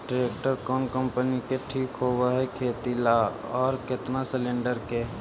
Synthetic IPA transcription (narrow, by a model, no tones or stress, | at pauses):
ɖɾeːk̚ʈəɾkɔːnkə̃mpənikeʈʰiːkɦowaɦɛkʰeːt̪ila | ɔːɾkɪt̪nasɪlẽɳɖəɾke